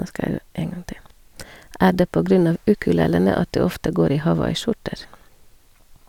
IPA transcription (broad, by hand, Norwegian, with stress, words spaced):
ˈæː ˈɖeː ˈpoː ˈɡɾʉn ˈɑʋ ˈʉkʉˌleːlənə ˈɑt ˈdʉː ˈɔftə ˈɡoːɾ ˈiː hɑˈʋɑɪˌʃʊʈəɾ